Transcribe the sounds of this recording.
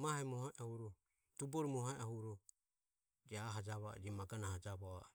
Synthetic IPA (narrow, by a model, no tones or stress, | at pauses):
mahɛmɔhɔʔahuɾɔ | t̪ubɔɾimɔhaʔahuɾɔ | d͡ʒɛaɦad͡ʒaβa̰d͡ʒɛmaɡanahad͡ʒaβɔa̰